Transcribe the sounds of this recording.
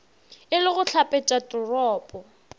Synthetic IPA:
ɪlɪɣʊɬʰapʼet͡ʃʼatʼʊrɔːpʼɔ

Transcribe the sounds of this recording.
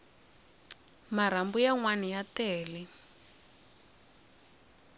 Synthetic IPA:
maɾ̤ambujaŋwanijatɛːlɛ

